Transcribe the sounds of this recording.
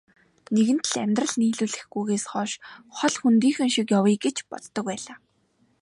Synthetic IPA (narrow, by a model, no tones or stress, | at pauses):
neɣɘ̆n̥t̪̆ɮæmʲt̪rə̆ɮniːɮuːɮɘ̆xɡujɣeːsχɔːʃχɔɮxunt̪iːŋxɘ̆ŋʃikjawiːɡet͡ɕpɔ̰ɮt̪ːɞ̆k̚wæːɮaː